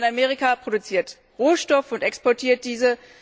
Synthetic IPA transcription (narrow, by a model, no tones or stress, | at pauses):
nameːʁikapʁ̥odut͡siːɐt | ʁoːʃtɔfʊntɛkspɔɐtʰiːɐt̚d̥iːzə